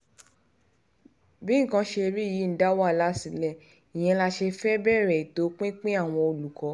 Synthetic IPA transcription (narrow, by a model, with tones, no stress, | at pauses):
bĩ˦ŋ̩˦˨kã˧ʃe˧bi˦˨ji˨˦n̩˨˦da˦wa˦˨la˨˦si˨˧lɛ˦˨ | i˨j̃ɛ̃˧la˧ʃe˧fɛ˦bɛ˦˨ɾɛ˨to˨˦k͡pĩ˦k͡pĩ˦a˦˨w̃ɔ̃˧o˧lu˨kɔ˨˧˦